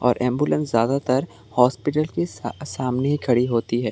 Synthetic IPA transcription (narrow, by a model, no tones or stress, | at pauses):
ɔːɾʔɛ̃ːmbulə̃nszjaːd̪at̪ɐɾ | hɔːspɪʈəlkisaːmneɦikʰɐɽiɦoːt̪iɦɛː